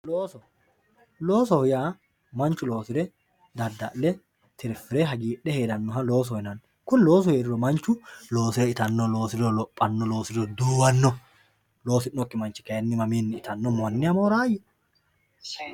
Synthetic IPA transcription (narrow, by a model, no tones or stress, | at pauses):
loːsɔ | loːsɔhɪjaː | mɐnt͡ʃːʊlo̞ːsɪɾɛ | d̪ɐd̪ːɐʔlɛ | t̪ʰɪɾfɪɾɛɦɐɡiːᶑɛheːd̪ɐnːɔɦɐlo̞ːs̬ɔɪnɐn | kʊnlo̞ːs̬ɔheːɾɪɾɔmɐnt͡ʃːʊlo̞ːsɪɾɛɪt̪ɐnːɔlo̞ːsɪɾɔlɔpʼːɐnːɔlo̞ːsɪɾɔd̪uːwɐnːɔ | lo̞ːsɪnːɔkːɪmɐnt͡ʃːɪ̥kɐjɐnːɪmɐmiːnːɪɪt̪ɐnːɔmɐnːɪɐmoːɾaːjɛ